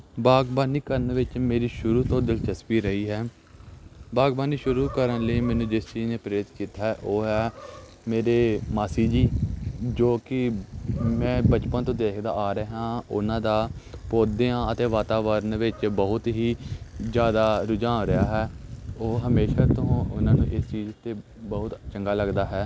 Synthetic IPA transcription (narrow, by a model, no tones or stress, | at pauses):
baːɡbaːniːkəɾənʋɪt͡ʃmeːɾiːʃʊɾuːt̪õːd̪ɪlt͡ʃəspiːɾəɦiːɦɛː | baːɡbaːniːʃʊɾuːkəɾənləiːmɛːnũːd͡ʒɪst͡ʃiːzneːpɾeːɪt̪kiːt̪ːaːɦɛːʔoːɦɛː | meːɾeːmaːsiːd͡ʒiːd͡ʒoːkɪ | mɛ̃ːbət͡ʃpənt̪õːd̪eːkʰd̪a̰ːʔaːɾeɦãːʊ̰nãːd̪aːpoːd̪jãːət̪eːʋaːt̪aːʋəɾnʋɪt͡ʃbəɦʊt̪ɦiːzjaːd̪aːɾʊd͡ʒãːɾəaːɦɛːoːɦəmeːʃaːt̪ʊɦːʊnãːnṵ̃ːʔɪst͡ʃiːzt̪eː | bəɦʊt̪t͡ʃəŋɡaːləɡd̪aːɦɛː